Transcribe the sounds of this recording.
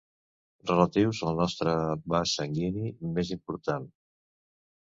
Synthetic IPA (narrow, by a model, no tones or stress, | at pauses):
rələt̪iwzəlˠnɔst̪ɾəbasəŋɡinimezimpuɾt̪an